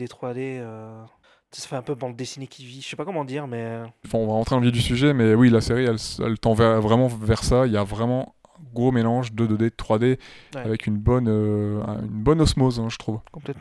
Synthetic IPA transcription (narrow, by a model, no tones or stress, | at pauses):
d̪et̪χwad̪eø | sɛ̥sḁfɛɛ̃pøbɑ̃d̪̚ːesinekʰʲiviʒsɛpakɔmɑ̃d̪iːʁmɛɑ̃fɛ̃ɔ̃vaʁɑ̃t̪χed̪ɑ̃vjid̪ysyʒɛmɛwilaseʁiɛlsɛ̰lt̪ɑ̃vɛvʁɛmɑ̃vɛʁsaeljavʁɛmɑ̃ | ɛ̃ɡʁomelɑ̃ʒd̪əd̪əd̪et̪χwad̪eavɛkynbɔnøɛ̰̃ynbɔnɔsmozɛ̃ʒət̪χuvkɔ̃plɛt̪